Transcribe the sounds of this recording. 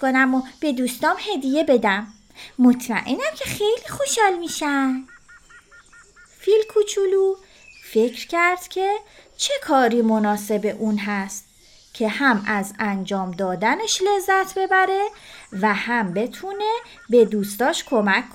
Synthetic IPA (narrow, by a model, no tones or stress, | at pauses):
konæmob̥e̞d̪uːst̪ɒːmhe̞d̪ije̞be̞d̪æmː | ot̪ʰmæ̰ʔenæmcʰe̞xe̞jliːxo̞ʃhɒːlmiːʃænd̪ | filkʰut͡ʃʰulu | fe̞cʰɾcʰæɾd̪̥cʰe̞t͡ʃʰe̞kʰɒːɾimo̞nɒːse̞be̞ʔuːnɦæst̪ | cʰe̞hæmæzænd͡ʒɒːmd̪ɒːd̪æne̞ʃle̞zːæt̪ʰbe̞bæɾe̞væhæmbe̞t̪ʰuːne̞ | be̞d̪uːst̪ɒːʃkʰo̞mækʰː